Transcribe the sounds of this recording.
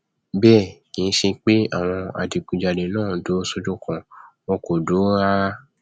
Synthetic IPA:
bɛː˦˨kĩ˨˧n̩˦ʃe˧k͡pe˦a̰˦˨w̃ɔ̃˧a̰˨di˨kũ˨d͡ʒa˨de˨˦nãː˦˨do˨˦so˦d͡ʒo˦kɔ̃˧wɔ̃˧ko˨do˨˦a˦

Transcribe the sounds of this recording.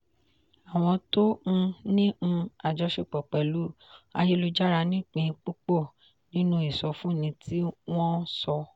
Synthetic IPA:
a˨w̃ɔ̃˧tõ˦˧nĩ˦˧a˨d͡ʒɔ˨˧˦ʃe˦˨k͡pɔ˨k͡pɛ˨lu˨˦a̰˧je˦lu˧d͡ʒa˦ɾa˧nĩ˦˨k͡pĩ˧k͡pu˦k͡pɔ˦˨ | nĩ˦nũ˦i˨sɔ˨˧fũ˦˨nĩ˧tʰi˦w̃ɔ̃˦sɔ˧

